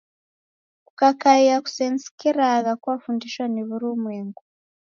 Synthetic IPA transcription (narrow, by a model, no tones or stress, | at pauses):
kukakaiaku̥sensi̥kiɾaɣakwafundiʃwaneβuɾumweːŋɡu